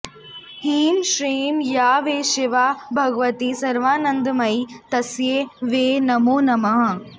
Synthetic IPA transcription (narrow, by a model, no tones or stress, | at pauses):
hiːmʃɾiːmjaːʋeːʃɪʋaːbʱɐɡʋɐt̪isɐɾʋaːnɐnd̪mɐit̪ɐsjeːʋeːnɐmoːnɐmɐɦɐ̃̆